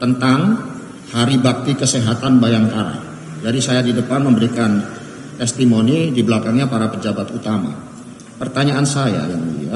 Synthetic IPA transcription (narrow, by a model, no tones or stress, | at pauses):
t̪ənt̪aŋ | haɾibak̚t̪ikəsɛɦat̪anbajaŋkaɾa̰ | d͡ʒadisajadidəpanməmbəɾikan | t̪ɛst̪imonidibəlakaŋɲapaɾapəd͡ʒabat̪ut̪ama̰ | pərt̪aɲaʔːnsaja̰jaŋlḭa